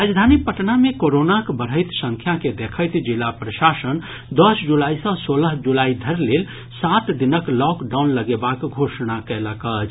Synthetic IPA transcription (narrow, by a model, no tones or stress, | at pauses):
ɾad͡ʒd̪ʱanipəʈnamekoɾonakbəɾɦəɪt̪sə̃ŋkʰjaked̪ekʰəjt̪d͡ʒilapɾəʃasən | d̪əsd͡ʒulaisə̃soləɦd͡ʒulaid̪ʱəɾlel | sat̪d̪inəklɔkɖawnləɡebakɡʱosnakɛləkət͡ʃʰ